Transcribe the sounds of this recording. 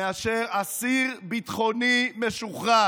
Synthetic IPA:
eaʃeʁasiʁbit̪χonimeʃuχa

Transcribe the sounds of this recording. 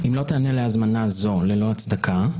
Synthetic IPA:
imlo̞t̪eaneleazmanazo̞le̞lo̞at͡sd̪akʰa

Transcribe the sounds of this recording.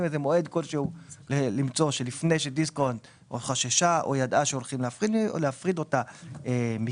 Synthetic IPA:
mezemo̞e̞d̪ko̞lʃeulelimt͡so̞ʃelifne̞jʃed̪iskont | oχaʃaʃaʔo̞̰jadʔaʃeo̞lχimleafʁido̰leafʁid̪o̞taemi

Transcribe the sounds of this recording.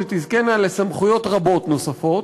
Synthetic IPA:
et̪izkenale̞samχujo̞t̪ʁabo̞t̪no̞safo̞t

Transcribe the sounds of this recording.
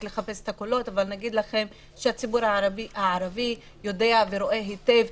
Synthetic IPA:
le̞χape̞se̥t̪akolo̞t̪avalnaɡid̪laχe̞m | ʃeat͡sibuɾhaaaiaʕaɾavi | jo̞d̪e̞aveɾo̞ʔe̞ɦit̪e̞v

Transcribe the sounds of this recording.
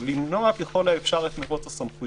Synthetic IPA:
limnoakeχolaefʃaʁlet̪meʁot̪asamχu

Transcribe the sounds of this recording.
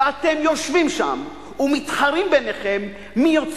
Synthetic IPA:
at̪e̞mjo̞ʃvimʃa̰m | umit̪χaʁimbeneχe̞mː | ijot͡s

